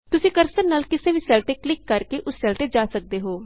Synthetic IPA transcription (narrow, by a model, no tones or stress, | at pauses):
t̪ʊsĩːkəɾsənnaːlkɪseːʋiːsɛːlʈeːklɪkːəɾkeːʔʊsːɛːlʈeːd͡ʒaːsək̚d̪eːɦoː